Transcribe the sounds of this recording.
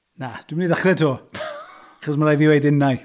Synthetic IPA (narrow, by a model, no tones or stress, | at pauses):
nad̥wɪmniːðaχrɛtʰoː | aχɔs̬maɾajviːwejdɪnaj